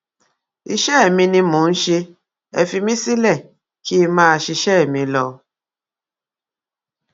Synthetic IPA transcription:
i˧ʃɛ˦˨mĩ˧nĩ˧mũ˨˦n̩˦ʃe˧ | e˨fi˧mĩ˦si˦lɛ˦˨ | ki˦mãː˦˨ʃi˧ʃɛ˦˨mĩ˧lɔ˧˨˧

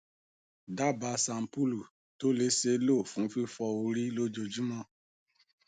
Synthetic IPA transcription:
da˦˨ba˧sã˧m̩˨pu˦lu˨ | to˦le˨˦se˧˦lo˦˨fũ˨˦fi˦fɔ˧o˧ɾi˦lo˦d͡ʒo˧d͡ʒu˦mɔ̃˧˦

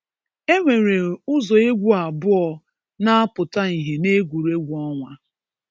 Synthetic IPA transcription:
e˦ŋʷe˨ɾe˨ʊ˦zɔ˨e˦ɡʷu˦a˨bʊ˦ɔ˨ | na˦a˦pʊ˨ta˦i˨ɦe˨ne˦ɡʷu˨ɾe˦ɡʷu˨ɔ˦ŋʷa˦

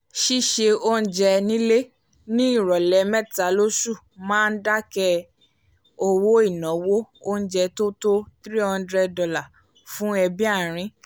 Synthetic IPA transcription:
ʃi˦ʃe˧o˦n̩˦d͡ʒɛ˧nĩ˦le˦ | nĩ˦i˦˨ɾɔ˨lɛ˨˦mɛ˦ta˨˦lo˦su˦˨mãː˦n̩˦da˦kɛ˧ | o˧wo˦i˦˨nɔ̃˨˦wo˦o˦n̩˦d͡ʒɛ˧to˦to˦t̪ɾi˦hɔ̃˧n˦dɾɛ˧dɔ˧la˦˨ | fũ˦ɛ˧bi˦a˦˨ɾ̃ĩ˨˦

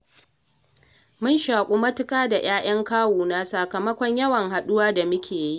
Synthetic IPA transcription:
mʊ˦nʃaː˨kʷʼu˦mɐ˦tɪ˦kʼaː˦da˨j̰aː˦j̰ɐ˦ŋkaː˦wuː˨naː˦saː˨kɐ˨mɐ˦kʷɔ˦ɲjɐ˦wɐ˨ŋɦa˨ɗʊ˦waː˦da˨mʊ˦kʲʰeː˨ji˦ʔ

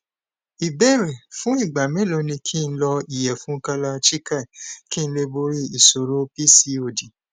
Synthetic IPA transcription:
i˨bɛ˦˨ɾe˨fũ˦i˦˨ɡ͡ba˨mẽ˨˦lo˧nĩ˧kʰi˦˧n̩˦lɔ˧i˨jɛ˨fũ˨˦ka˧la˧t͡ʃi˦ka˦˨ki˦n̩˦le˧bo˧ɾi˦i˨so˨ɾo˦pi˦si˧o˨di˨

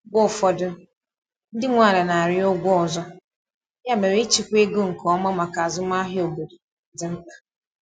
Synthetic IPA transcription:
bʊ˦˨fɔ˨dʊ˦ | n̩˦dɪ˦ŋʷa˨la˨na˨ɾɪ˦o˦ɡʷɔ˨zɔ˦ | ja˦me˨ɾi˦t͡ʃi˨kʷe˦ɡʊ˦ŋ̩˨kɔ˨˦mɔ˦ma˨ka˨zʊ˦m˦a˦ɦɪ˦o˨bo˨do˨˦ | dɪ˨m̩˦k͡pa˨

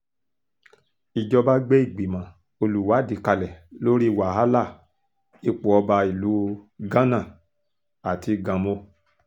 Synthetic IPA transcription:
i˨d͡ʒɔ˧ba˦ɡ͡be˦i˦˨ɡ͡bi˨mã˨˦ | o˧lu˨wa˨˦˨di˨˧˦ka˧lɛ˨lo˦ɾi˦˨wa˨a˦la˦˨ | i˧k͡pu˨ɔ˧ba˧i˨lu˨˦ɡã˦nã˦˨ | a˨ti˧ɡã˨mo˧

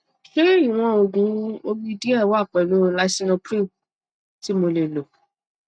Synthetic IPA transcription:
ʃe˦ɾi˦˨w̃ɔ̃˦o˧ɡũ˨˦o˦bi˦di˦ɛ˦˨wa˦˨k͡pɛ˨lo˨˦˧la˦˧˦si˦nɔ˧pɾi˦˨ | ti˨˦mo˧le˨lo˨

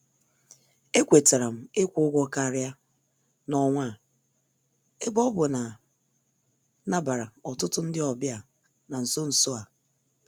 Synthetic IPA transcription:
e˦kʷe˨te˨ɾa˨m̩˨e˦kʷʊ˦ʊ˦ɡʷɔ˦ka˦˨ɾja˦ | nɔ˨ŋʷa˦˨ | e˦bɔ˦bʊ˨na˨˦ | na˦ba˨ɾa˨ɔ˨tʊ˦tʊ˦n̩˦dɪ˦ɔ˨bja˨ | na˨n̩˨so˦n̩˨so˦a˨

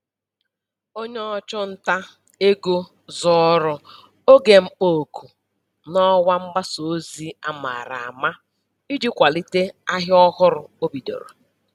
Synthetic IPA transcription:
o˦ɲe˦ɔ˨t͡ʃʊ˦n̩˦ta˦ | e˦ɡo˦ | zɔ˦˨˦ɾʊ˨ | o˦ɡe˨m̩˦k͡po˨ku˨ | nɔ˦wa˦m̩˦ba˦so˨˦zi˦a˨ma̰˨ɾa̰˨a˨ma˦ | i˦d͡ʒi˦kʷa˨li˦te˦a˦ɦɔ˦ɣʊ˦ɾʊ˨o˦bi˨do̰˨ɾo̰˨

